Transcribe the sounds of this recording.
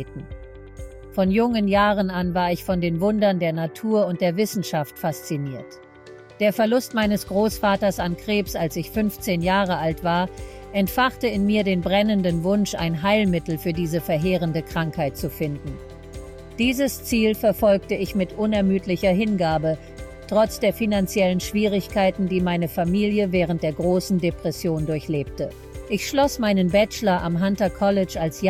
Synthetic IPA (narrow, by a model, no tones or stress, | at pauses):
tn̩ | fɔnjʊŋənjaːʁənanvaːɐɪçfɔndeːnvʊndɐndeːɐnatʰuːɐʊnt̚d̥eːɐvɪsn̩ʃaftfast͡siniːɐt | d̥eːɐfɛɐlʊstmaɪnəsɡ̥ʁoːsfaːtɐsankʁ̥eːpsalsɪçfʏnft͡seːnjaːʁəʔaltv̥aːɐ | ʔɛntfaχtəɪnmiːɐdeːnbʁɛnəndənvʊnʃʔa̰ɪnɦaɪlmɪtl̩fyːɐdiːzəfɛɐɦeːʁəndəkʁ̥aŋkhaɪt̚t͡sufɪndn̩ | d̥iːzəst͡siːlfɛɐfɔlk̚təɪçmɪtʔʊnɛɐmyːtlɪçɐɦɪnɡaːbə | tʁ̥ɔt͡sd̥eːɐfinant͡sjɛlənʃv̥iːʁ̞ɪçkʰaɪtn̩diːmaɪnəfamiːljəvɛːʁ̞əntd̥eːɐɡʁoːsn̩depʁ̥ɛsjoːndʊɐçleːp̚tə | ʔɪçʃlɔsmaɪnənbɛt͡ʃlɐʔa̰mɦantɐkʰɔlɪt͡ʃalsja